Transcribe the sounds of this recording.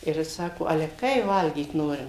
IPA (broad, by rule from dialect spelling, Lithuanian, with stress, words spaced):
ɪr ˈjɪs ˈsɑːkoː ˈɑːlʲɛ ˈkɐɪ ˈʋɐlʲɡʲiːt ˈnoːrʲɪm